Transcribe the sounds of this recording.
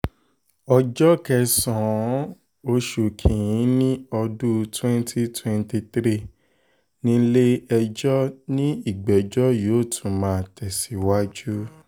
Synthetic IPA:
ɔ˧d͡ʒɔ˦kɛ˧˦sɔ̃˨˦ | o˧ʃu˨kʰĩ˨jĩ˨˦nĩ˦ɔ˧du˦twɛ̃˦n˦tʰi˦twɛ̃˧nti˧tɾi˦ | nĩ˦le˦ɛ˧d͡ʒɔ˦nĩ˦i˦˨ɡ͡bɛ˨d͡ʒɔ˦joː˨˦˨tʰũ˨mãː˨˦˨tʰɛ˨si˨˦wa˦d͡ʒu˦

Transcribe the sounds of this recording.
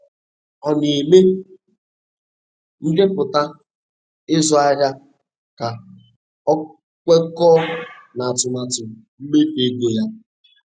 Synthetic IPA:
ɔ˨ni˨me˦ | n̩˦ɡe˦pʊ˨ta˦ | ɪ˦zʊ˨a˦ɾja˦ | ka˨ | ɔ˦ | kʷe˦kɔː˦na˨a˨tʊ˨ma˨tʊ˨m˨ | m̩˦me˦te˦ɡe˨ja˦

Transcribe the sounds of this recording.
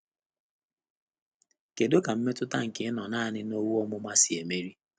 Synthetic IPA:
ke˨do˦ka˨m̩˦me˦tʊ˦ta˦ŋ̩˨kɪ˨˦nɔ˨naː˦˨nɪ˦no˦wu˦ɔ˦mʊ˦ma˦sɪ˨e˨me˦ɾi˦

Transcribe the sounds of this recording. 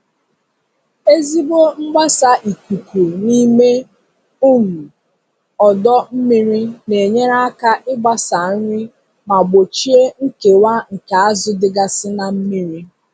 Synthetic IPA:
e˦zi˦bo˦m̩˦ɡ͡ba˦sa˨ʔi˨ku˨ku˨ni˦me˦ | u˦ŋu˨ | ɔ˨dɔ˦m̩˦mi˦ɾi˦ne˨ɲe˦ɾa˦a˦ka˦ʔɪ˦ɡ͡ba˦sa˨˦ɲɪ˦ | ma˨ɡ͡bo˨t͡ʃi˦e˦ŋ̩˦ke˨wa˦ŋ̩˨ka˨a˦zʊ˦dɪ˦ɡa˦sɪ˦na˨m̩˦mi˦ɾi˦

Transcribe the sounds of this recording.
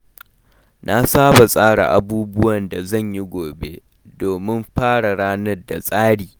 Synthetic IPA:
nʔa˦saː˦ba˨sʼaː˦ɽa̰˨ʔa˨buː˦bʊ˦wɐ˨nda˨zɐ˦˨ɲji˦ɡʷoː˨be˦ | doː˨mɪ˦mɸaː˦ɽa˨ɽaː˦nɐ˦rda̰˨sʼaː˦ɽiː˨

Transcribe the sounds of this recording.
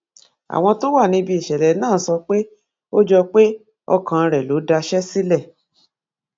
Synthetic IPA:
a̰˨w̃ɔ̃˧to˦wa˦˨nĩ˧bi˧i˨ʃɛ˨ɾɛ˨˦nãː˦˨˦sɔ˧k͡pe˦ | o˦d͡ʒɔ˧k͡pe˦ | ɔ̰˧kã˧ɾɛ˨lo˨˦da˧ʃɛ˦si˦lɛ˦˨

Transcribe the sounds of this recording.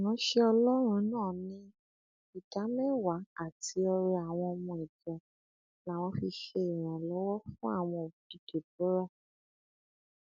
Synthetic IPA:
nã˨˦ʃe˧ɔ˧lɔ˦ɾ̃ũ˧˦nãː˦˨nĩ˦ | i˨ta˨˦mɛ̃˦wa˨˦a˦˨ti˧˦ɔ˧ɾɛ˧a˨w̃ɔ̃˧ɔ˧mũ˧i˨d͡ʒɔ˨ | na˨w̃ɔ̃˧˦fi˧ʃe˧i˨j̃ã˨lɔ˨˦wɔ˦fũ˦a̰˦˨w̃ɔ̃˧˨di˨te˨bu˨˦ɾa˦˨

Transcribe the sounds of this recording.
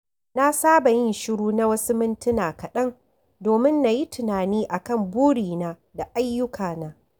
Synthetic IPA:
na˦saː˦ba˨jɪ˦nʃʊ˦ɽuː˦na˦wɐ˦su˦mɪ˦ntɪ˦naː˨kɐ˨ɗɐ˦ŋ | doː˨mɪ˦nːa˨ji˦tʰɪ˨naː˨niː˦ʔa˨kɐ˦˨mbuː˦ɽiː˨naː˦ | da˨ʔa˦jːʊ˦kʰaː˨naː˦

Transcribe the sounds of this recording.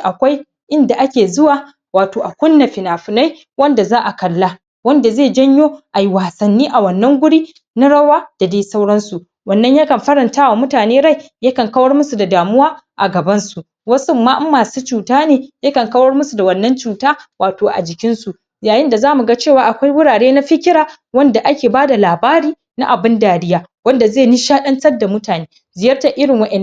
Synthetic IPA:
ʔa˨kʷa˦j | ʔɪ˦nda˨ʔa˦kʲeː˨zʊ˦waː˨ | waː˨toː˨ʔa˨kʷʊ˦nːa˨ɸɪ˨naː˨ɸʊ˨na˦j | wɐ˦nda˨zaː˦ʔa˨kɐ˨lːa˦ | wɐ˦nda˨zeː˦˨d͡ʒɐ˦ɲjoː˦ʔa˨jwaː˨sɐ˨nːiː˦ʔa˨wɐ˨nːɐ˦ŋɡʷʊ˦ɽiː˦ | na˦ɽɐ˦waː˦d̥a˨deː˦sa˦wɽɐ˦nsu˨ | wɐ˨nːɐ˦ɲjaː˦kɐ˨mɸɐ˦ɽɐ˨ntaː˦wa˨mʊ˦taː˨neː˦ɽa˦˨j | ja˦kɐ˨ŋkɐ˦wɐ˦rmʊ˦su˨da˨daː˨mʊ˦waː˦ʔa̰˨ɡɐ˨bɐ˦nsu˨ʔ | wɐ˦sʊ˦mːaː˦ʔmːaː˨suː˦t͡ʃuː˨taː˦neː˨jɐ˦kɐ˨ŋkɐ˦wɐ˦rmʊ˦su˨da˨wɐ˨nːɐ˦nt͡ʃuː˨taː˦waː˨toː˨ʔa̰˨d͡ʒɪ˨kʲɪ˦nsu˨ | jaː˨jɪ˦nda˨zaː˦mu˨ɡa˦t͡ʃeː˦˨waː˦ʔa˨kʷa˦jwʊ˦ɽaː˨ɽeː˦na˦ɸɪ˦kʲɪ˦ɽaː˨ | wɐ˦nda˨ʔa˦kʲeː˨baː˦da˨laː˨baː˦ɾiː˦ | na̰˦ʔa˨bɪ˦ndaː˨ɽɪ˦jaː˦ | wɐ˦nda˨zeː˦˨ni˦ʃaː˦ɗɐ˦nt͡ʃɐ˦rda˨mʊ˦taː˨neː˦ | zɪ˨jɐ˦rta˨ʔɪ˦ɽɪ˨ŋwɐ˦ʔɛː˨˦

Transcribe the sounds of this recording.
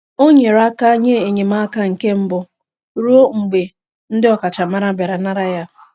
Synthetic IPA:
o˦ɲe˨ɾa˦ka˦ɲe˦e˨ɲe˨ma˦ka˦ŋ̩˨ke˦m̩˦bʊ˨ | ɾu˦o˦ŋ͡m̩˨ɡ͡be˨ | n̩˦dɪ˦ɔ˨ka˨t͡ʃa˨ma˦ɾa˦ba˨ɾa˨na˦ɾa˦ja˦

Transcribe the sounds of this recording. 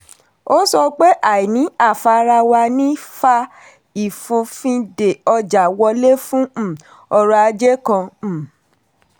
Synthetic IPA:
o˦sɔ˧k͡pe˦ʔa˨i˨nĩ˨˦a˦˨fa˧ɾa˧wa˧nĩ˦fa˧ | i˨fũ˧fĩ˧de˨ɔ˧d͡ʒa˨wɔ˧le˦fũ˦˨ | ɔ˧ɾɔ˧a˧d͡ʒe˦kã˧˨

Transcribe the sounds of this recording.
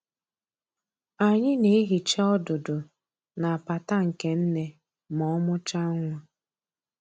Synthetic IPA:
a˨ɲɪ˦ne˨˦e˦ɦi˨t͡ʃa˦ɔ˦dʊ˨dʊ˨ | na˨a˨pa˨ta˦ŋ̩˨ke˨n̩˦ne˦ | mɔ˦mʊ˦t͡ʃa˦ŋʷa˦

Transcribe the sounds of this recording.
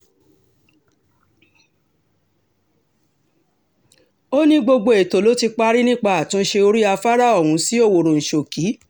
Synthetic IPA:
o˦nĩ˦ɡ͡bo˧ɡ͡bo˧e˨to˨˦lo˨˦ti˧k͡pa˦ɾi˦nĩ˦k͡pa˦a˨tũ˨˦ʃe˧o˧ɾi˦a˧fa˦ɾa˦˨ɔ˦˨w̃ũ˨˧si˦o˦˨wo˨ɾo˨n̩˨ʃo˨ki˨˦

